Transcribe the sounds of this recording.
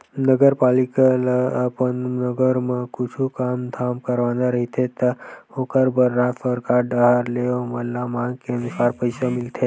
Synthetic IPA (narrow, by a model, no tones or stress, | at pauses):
nəɡəɾpalikalapənnəɡəɾmãkut͡ʃʰũkamd̪ʰʱamkəɾʋanãɾəɦit̪ʰet̪okəɾbəɾːãt̪ʰəɾkaɾɖəɦaɾleoməlːamãkeənusaɾpəjsomɪlt̪ʰe